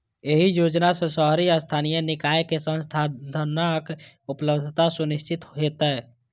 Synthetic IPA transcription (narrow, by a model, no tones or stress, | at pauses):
eɦijoːd͡ʒnasesɔɦɾiəst̪ʰaːnijənɪkaːjekesə̃nst̪ʰad̪ʱənak | ʊpləbd̪ʱt̪asʊnɪst͡ʃʰɪt̪ɦet̪aɛ